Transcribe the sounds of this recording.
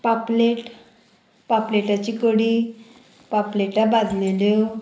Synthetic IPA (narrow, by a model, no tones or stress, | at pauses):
papleʈ | papleʈat͡ɕikoɽi | papleʈabad̪leljo